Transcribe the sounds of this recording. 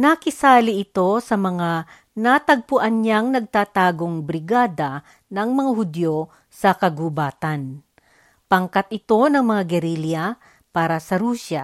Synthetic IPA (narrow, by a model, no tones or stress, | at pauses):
nakɪsaːlɪʔɪt̪o̞sɐmɐŋa | nat̪ɐɡ̚pʊʔɐnɲaŋnɐɡ̚t̪aːt̪aːɡo̞ŋbɾɪɡaːd̪ɐ | nɐŋmɐŋaɦʊd̪jo | sɐkɐɡʊbaːt̪ɐn | pɐŋkat̪ɪt̪o̞nɐŋmɐŋaɡɛɾilja | paːɾɐsɐɾuːsa